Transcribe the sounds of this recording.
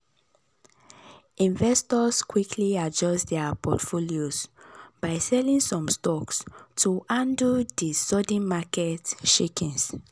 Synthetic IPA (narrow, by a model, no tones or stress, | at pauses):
ĩɱvɛstɔskwikʰliad͡ʒɔstdɛpʰɔ̰tfoliozb̥aɪsɛlĩŋsɔ̃mstɔkstʰuʔãndudisɔdĩnmakɛtʃikĩns